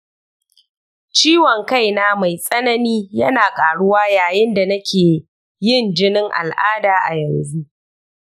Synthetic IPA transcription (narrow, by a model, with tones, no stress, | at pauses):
t͡ʃiː˦wɔ˨ŋka˦˨jnaː˦ma˨jsʼɐ˦nɐ˦niː˦jɐ˦naː˨kʼaː˨ɽʊ˦waː˦jaː˨jɪ˦nda˨nɐ˦kʲeː˨ | jɪ˦˨nd͡ʒɪ˦nɪ˦ŋʔa̰˨lʔaː˦daː˨ʔa̰˨jɐ˨nzu˦ʔ